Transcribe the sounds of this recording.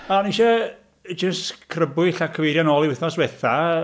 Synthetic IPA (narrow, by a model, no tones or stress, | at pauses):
aniʃɛ | d͡ʒəstkʰrəbʊɨɬakʰəviɾjanɔlˠiwɪθnɔswɛθa